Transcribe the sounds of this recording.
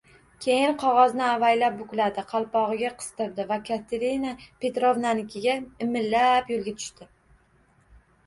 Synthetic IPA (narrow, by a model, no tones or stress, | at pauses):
kʲʰe̞jɪnqʰɒʁɒznɪavajlap̚bʊkʲlad̪ɪqʰɑlˠpɒʁɨɡʲaqʰɨ̥st̪ɨɾd̪ɪvakʰat̪ʰeɾinapʰe̞t̪ɾovnanɪkʲɪɡʲaɪmɪlːapjolˠɡʲat̪ʰʊ̥ʃt̪ɪ